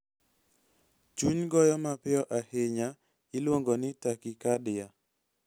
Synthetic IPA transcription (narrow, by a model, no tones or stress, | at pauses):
t͡ʃuɲɡɔjɔmapɪɔʔaheɲa | ɪlwoŋɡonɪtakikadɪja